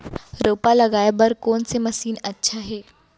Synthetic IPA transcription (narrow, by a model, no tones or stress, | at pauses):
ɾoːpaləɡaːjbəɾkonseməsiːnətːʃʰaɦe